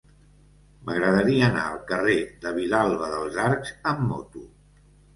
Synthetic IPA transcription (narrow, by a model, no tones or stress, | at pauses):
məɣɾəðəɾiəəna̰əlˠkəreðəβ̞ilalˠβəðəlˠzaɾkz̥əmːɔ̰t̪u